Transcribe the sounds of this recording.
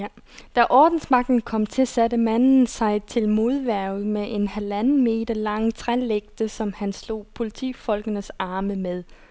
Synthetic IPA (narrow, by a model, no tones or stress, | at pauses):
d̥æʔɒːd̥n̩smɑ̈ɡ̥̚d̥n̩kʰɒ̽m̰t͡sʰe̝sædəmæn̰n̩sɑ̈ɪt͡sʰe̝lmo̝ð̞ˠʋæɐʊð̩ˠmeʔe̝nhælænn̩me̝̰ːd̥ɐlɑ̈ŋ̰t͡sʰʁɛleɡ̥d̥əsɒ̽mhænslo̝̰ːpʰo̝lit͡sʰḭːfɒ̽lɡ̥ənəsɑ̈ːməmeð̞ˠ